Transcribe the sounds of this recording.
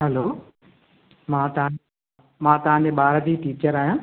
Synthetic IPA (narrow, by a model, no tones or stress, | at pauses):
ɦɛloː | mãːt̪ɐɦã | mãːt̪ɐɦãd͡ʑeɓaːɾd̪iːʈiːt͡ɕəɾaːɦjãː